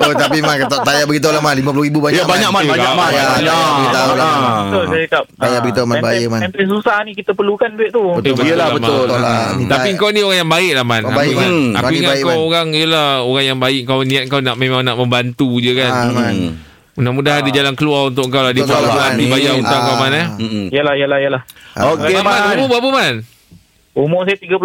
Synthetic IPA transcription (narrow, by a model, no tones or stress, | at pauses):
oht̪apimankat̪aʔt̪ajabəɡit̪̬awlamanlimãp̬uloibubaɲabaɲakmabakaajaajaəɡit̪alab̪ʊlaikap̚t̪ajabəɡit̪amabajəʔmanɛnpins̬usahnikit̪əpərlukandueʔt̪ubətbəlalabəmʊolait̪apiəŋkawnioɾaŋjaŋbaɪʔlahmanaimana̰kuiŋatakkawoɾaŋijəlaoɣaŋjaŋbaɪʔəŋkawnĩat̪̚ŋkawnaʔmemãŋnaʔmə̃mbant̪ud͡ʒəkanman | munamũdaɦadəd͡ʒalankəluarunt̪̬ʊʔkŋkawladipaalat̪ibajaunaŋkawmanəijəlaijəlahjəlahokeamaumobapəman | umosajat̪iɡap